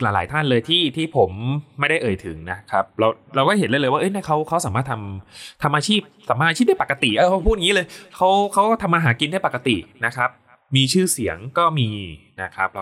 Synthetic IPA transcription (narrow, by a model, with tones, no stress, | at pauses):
laː˨˩˦laː˩˦jt̪ʰa˥˩nlɤː˧jt̪ʰiː˥˩t̪ʰiː˥˩pʰo˩˦mːa˥˩jda˥˩jʔɤː˨˩jt̪ʰɯ˩˦ŋna˦˥kʰa˦˥p̚ɾa˧wɾa˧wkɔː˥˩he˨˩˦nlːjlːjwaː˥˩ʔɤ˥jna˥˩kʰa˦˥wkʰa˦˥wsaː˨˦maː˥˩t̪ʰa˧mt̪ʰa˧mʔaː˧t͡ɕʰiː˥˩p̚saː˩˦maː˥˩ʔa˧t͡ɕiː˥˩da˥˩pa˨˩ka˧t̪ḭ˨˩ʔa˧˩˧pʰu˥˩t̪̚ːŋi˦˥lɤː˧jkʰa˦˥wkʰa˦˥wkɔ˥˩t̪ʰa˧mːaː˧ɦaː˩˦ki˧nda˥˩jpa˨˩ka˧t̪ḭ˨˩na˦˥kʰɾa˦˥p̚ | miː˧t͡ɕʰɯː˥˩si˩˦əŋkɔː˥˩miː˧na˦˥kʰɾa˦˥p̚l